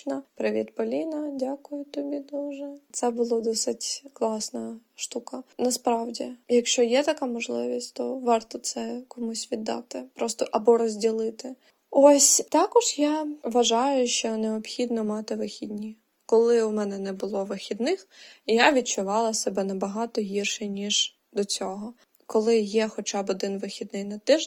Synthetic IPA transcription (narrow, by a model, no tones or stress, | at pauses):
nɐpɾɪʋʲḭd̪pɔlʲinɐdʲakʊjʊt̪ɔbʲid̪uʒɛt̪sɛbʊlˠɔd̪ɔsɪtʲklˠɑsnɐʃt̪ukɐnɐspɾɑwdʲijɐkʃt͡ʃɔjɛt̪ɐkamɔʒlˠɪʋʲisʲtʲt̪ɔʋɑrt̪ɔt̪sɛkɔmusʲʋʲid̪ːɑ̰t̪ɪpɾɔst̪ɔʔɐbɔɾɔzʲdʲilˠɪt̪ɪ | ɔsʲt̪ɑkɔʒjaʋɐʒɑjʊʃt͡ʃɔneɔpxʲid̪nɔmɑt̪ɪʋɪxʲid̪ʲnʲi | kɔlˠɪʊmɛnɛnɛbʊlˠɔʋɪxʲid̪nɪxjaʋʲid̚t͡ʃʊʋɑlˠɐsɛbɛnɐbɐɦɑt̪ɔɦirʃɛnʲiʒ | d̪ɔt͡sʲɔɦɔ | kɔlˠɪjɛxɔt͡ʃɑbɔd̪ɪnʋɪxʲid̪nɪjnɐt̪ɪʒ